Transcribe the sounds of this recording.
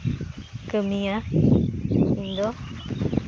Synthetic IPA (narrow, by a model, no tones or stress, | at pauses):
kəmija | ind̪ɔ